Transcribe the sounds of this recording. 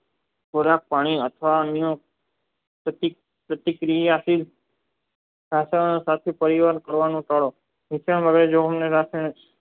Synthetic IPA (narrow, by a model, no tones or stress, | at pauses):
koɾak̚paɽ̃iət̪ʰʋanijõ | pət̪i | pɾət̪ikɾijiasil | ɾaʃanosat̪ʰipəɾiʋaɾkəɾʋanũt̪əɭo | ɦit͡ʃʰəɳʋəɡɾed͡ʒoɦəmneɾase